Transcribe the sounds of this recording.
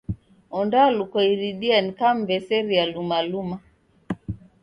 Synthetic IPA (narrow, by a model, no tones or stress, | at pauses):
ɔndalukɔiɾiɗianikam̩vɛsɛɾialumaluma